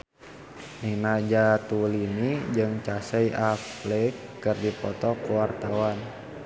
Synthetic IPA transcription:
ninad͡ʒat̪ulinid͡ʒɨŋt͡ʃasəjʔaflɛkːɨrdipɔt̪ɔkuwart̪awan

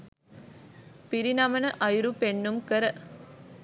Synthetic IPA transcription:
piɾinaːmɐnɐʔɐjɾupeɳːumkɐɾɐ

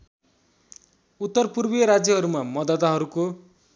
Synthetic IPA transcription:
ut̪ːʌrpurbijʌɾad͡zjʌɦʌɾumamʌd̪ʌt̪aɦʌɾuko

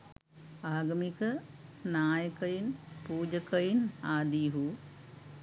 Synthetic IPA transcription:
aːɡɐmikɐnaːjəkɐjinpuːd͡ʒɐkɐjinaːd̪iɦu

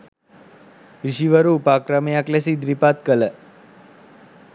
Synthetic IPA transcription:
iʃiʋəɾupakɾamejaklesid̪ɾipat̪kələ

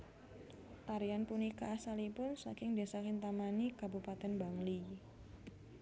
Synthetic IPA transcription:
ʔaɾianpunikaːsalipʊnsakɪŋdasakɪnt̪amanikabupat̪ɛnbaŋli

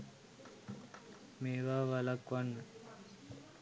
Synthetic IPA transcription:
meːʋaːʋalakʋanːə

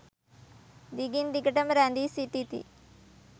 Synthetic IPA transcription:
d̪iɡinɖ̪ikəʈɐmɾand̪isiʈit̪ḭ

